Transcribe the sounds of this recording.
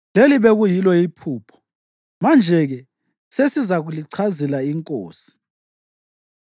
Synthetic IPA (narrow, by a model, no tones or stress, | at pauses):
leliβeɣujilɔipʰuːpʰɔ̥ | mand͡ʒʱɛɣɛ | sesizaɣuliǀʰazɛlaiŋkʼo̰ːsi̥